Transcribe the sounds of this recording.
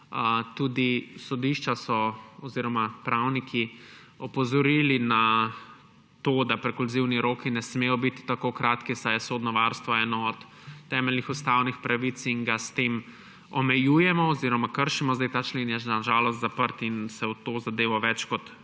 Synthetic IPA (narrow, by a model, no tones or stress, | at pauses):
t̪uːd̪isɔd̪iʃt͡ʃasɔɔziːɾɔmapɾawnikʰi | ɔpɔzɔɾiːlina | t̪oːd̪apɾɛkulziwniɾoːkinɛsmeːjɔbit̪i̥t̪akokɾaːt̪kisajɛsod̪nɔʋaɾst̪ʋɔɛːnɔɔt̪ː | ɛmɛlnixust̪awnixpɾaʋit̪siŋɡast̪eːm | ɔmɛjujɛmɔɔziɾɔmakəɾʃimɔzd̪ɛjt̪aːt͡ʃlenjɛʒnaʒaːlɔst̪zapəɾt̪insɛwt̪oːzad̪eːʋɔʋɛt͡ʃkɔt̪